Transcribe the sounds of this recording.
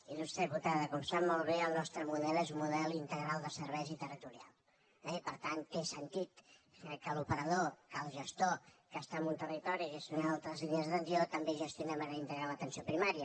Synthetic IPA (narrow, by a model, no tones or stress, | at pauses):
inust̪ɛβut̪aðəkɔmsabmolˠβeəlˠnɔst̪ɾəmuðɛlezumuðɛlint̪əɣɾalˠd̪əsəɾβɛjzit̪ərit̪uɾia̰lˠ | ɛipəɾt̪ant̪ːesənt̪it̪kəlupəɾəðokəlˠʒəst̪okəst̪amunt̪əlit̪ɔɾiʒesjonalˠt̪ɾəzliʎəzðənd̪iot̪əmbeʒəst̪jonɛməɣaint̪əɣɾalət̪ənsiopɾimaɾiə